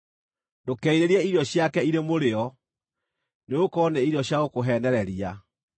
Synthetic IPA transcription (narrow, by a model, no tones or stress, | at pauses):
ndokɛiɾeɾɛiɾjɔɕjakɛiɾemoɾeɔ | neokɔneiɾjɔɕjaɣokoɦɛnɛɾɛɾia